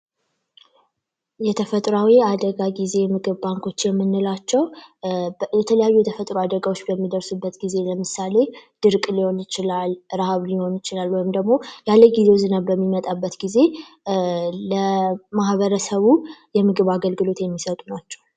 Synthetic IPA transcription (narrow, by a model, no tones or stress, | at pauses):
jɛt̪ʰəfət̪ʼɾawiad̪əɡaɡize̞mɨɡɨβbaŋkʰo̞t͡ʃːjɛmːɨnːɨlat͡ʃːɛw | jɛt̪ʰələjajːujɛt̪ʰəfət̪ʼɾoad̪əɡawo̞t͡ʃːbəmːid̪əɾsubːət̪ɡize̞ləmɨsale̞d̪̥ɨɾkʼliho̞nɪt͡ʃɪlalɾahaβliho̞njɪt͡ʃɪlalːwɔjmd̪əɡmo̞jalːəɡizewzɨnabəmːimət̪ʼabːət̪ɡize̞ | ləmahβəɾəsəβujɛmɨɡɨβaɡəlɡɨlo̞t̪jɛmːisət̪ʼunat͡ʃːɛ̥w